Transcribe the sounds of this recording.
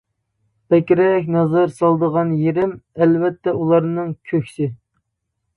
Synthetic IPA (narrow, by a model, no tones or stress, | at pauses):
pɛkʲɾɛkʲnɑzɨɾsɑlˠd̪əʁɑnjeɾɪmɛlvɛt̪ʰːɛulˠɑɾnɨŋkʲʰøkʲsɪ